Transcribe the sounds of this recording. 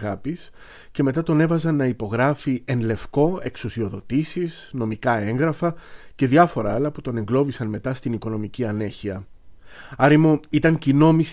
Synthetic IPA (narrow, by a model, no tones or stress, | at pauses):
ɣɐpis | ce̞me̞t̪ɐt̪o̞ne̞vɐzɐnːɐipo̞ɣɾɐfie̞nle̞fko̞e̞ksusio̞ðo̞t̪isizno̞mikɐe̞ŋɣɾɐfɐce̞ðʝɐfo̞ɾɐɐlɐput̪o̞ne̞ŋɡlo̞visɐnme̞t̪ɐst̪iniko̞no̞miciɐne̞çiɐ | ɐɾimuit̪ɐɲcino̞mis